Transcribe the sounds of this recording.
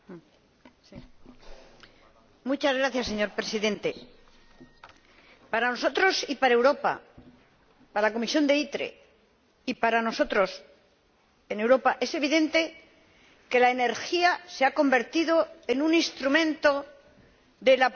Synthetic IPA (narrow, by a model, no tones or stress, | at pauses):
mut͡ʃazɣɾaθjasːe̞ɲo̞ɾpɾe̞siðẽ̞nt̪e̞ | paɾano̞so̞t̪ɾo̞sipaɾaewɾo̞pa̰ | paɾalako̞misjo̞nd̪e̞it̪ɾḛ | ipaɾano̞so̞t̪ɾo̞s | ene̞wɾo̞paʔe̞se̞β̞iðẽ̞nt̪e̞ | ke̞laene̞ɾxiaseako̞mbe̞ɾt̪iðo̞enũnĩnst̪ɾumẽ̞nt̪o̞ | ðe̞lap